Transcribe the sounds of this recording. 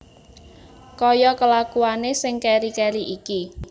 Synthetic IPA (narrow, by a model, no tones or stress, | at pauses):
kɔjɔkəlakuanesɪŋkɛɾikɛɾiʔiki